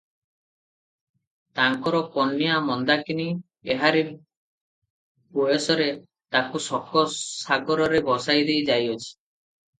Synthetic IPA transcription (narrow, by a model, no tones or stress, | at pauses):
t̪aŋkɔɾɔpɔnːijamɔnd̪akini | eɦaɾi | bujɔsɔɾe | t̪akusɔkɔsaɡɔɾɔɾebɔsajd̪ejd͡ʒajɔt͡ʃʰi̥